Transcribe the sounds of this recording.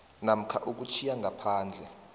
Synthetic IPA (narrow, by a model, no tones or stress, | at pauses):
nam̩kʰaʔuk̬ut͡ʃʰijaŋɡʱapʰaːnd͡ɮʱɛ